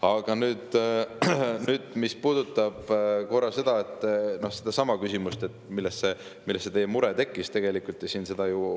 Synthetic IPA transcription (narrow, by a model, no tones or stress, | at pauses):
ɑɡ̥ɑnyːd̪̥ | nyːd̪̥mispuːd̪̥ut̪ˑːɑb̥ko̞rɑse̞d̪̥ɑet̪ˑːnohsed̪̥ɑsɑmɑkysimust̪e̞t̪ːˑmilːestse̞ | milːesːet̪ejemuɾet̪e̞kːˑist̪e̞ɡe̞likult̪ːˑjesiːnse̞d̪̥ɑju